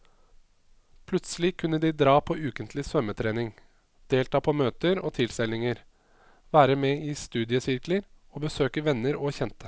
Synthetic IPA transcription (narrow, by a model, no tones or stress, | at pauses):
pʰlʉt̪səlɪkʰʉnːəd̪id̪ɾɑːpʰoːʔʉːkənt̪lɪsʋœmət̪ʰɾeːnɪŋ | d̪̥eːlt̪ʰɑːpʰɔːmøːt̪əɾo̰ːt̪ʰɪlsɪlɪŋəɾ | ʋæːɾəmeːiːst̪ʉːd̪ɪəsɪɾkləɾ | oːbəsøːkəʋɛnːəɾoːçɛnt̪ə̥